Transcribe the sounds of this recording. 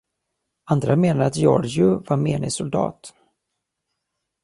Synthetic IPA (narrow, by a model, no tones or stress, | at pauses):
and̪ɾameːnaɾat̪jɔ̰ɾd͡ʒɵvaɾmeːnɪsʊld̪ɑ̰ːt̪